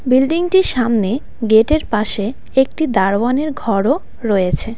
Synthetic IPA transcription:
bilɖiŋʈiʃamne | ɡeʈeɾpaʃe | ek̚ʈid̪aɾwaneɾɡʱɔɾo | ɾɔjet͡ɕʰe

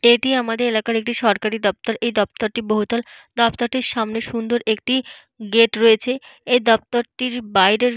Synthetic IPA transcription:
eʈiamad̪eɾelakaɾek̚ʈiʃɔɾkaɾid̪ɔp̚t̪oɾejd̪ɔp̚t̪oɾʈiboɦut̪old̪ɔpt̪oɾʈiɾʃamneʃund̪oɾek̚ʈi | ɡeʈɾoet͡ɕʰeejd̪ɔp̚t̪oɾʈ̪iɾbajɾeɾ

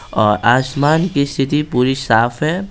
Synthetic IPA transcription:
ɔːɾaːsmaːnkist̪ʰɪt̪ipuːɾisaːfɦɛː

